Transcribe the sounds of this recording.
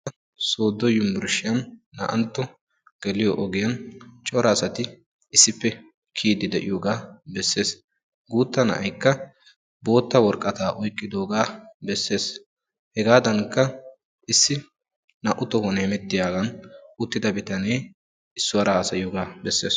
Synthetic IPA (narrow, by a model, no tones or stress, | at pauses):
soːd̪ːɔjʊmːʊɾʃɪjɐnːɐ̰ʔɐ̰nt̪ːɔ | ɡ̥ɛlɪjɔʔɔɡɪjɐnt͡ʃʼɔɾɐːsɐt̪ɪ | ɪsːɪpːɛ | kʰiːd̪ɪd̪ɛʔɪ̰joːɡaːbɛsːe̞ːs | ɡuːt̪ːɐnɐ̰ʔɐjkːɐ | bo̞ːt̪ːɐwɔɾkʼːɐt̪aːʔɔjkʼːɪd̪o̞ːɡaːbɛsːe̞ːs | hɛɡaːd̪ɐŋkːɐ | ʔɪsːɪ | nɐʔʊt̪ɔwɔnɛhɛmɛt̪ːɪjaːɡɐnʊt̪ːɪd̪ɐbɪt̪ɐnej | ɪsːʊwɐɾɐhaːsɐjɪjoːɡaːbɛsːe̞ːs